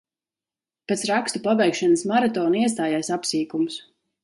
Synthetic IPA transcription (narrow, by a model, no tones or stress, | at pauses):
pɛt̪sɾakst̪upavɛjkʃanəsmaɾat̪ɔːniɛs̬t̪aːjaːsapsiːkumus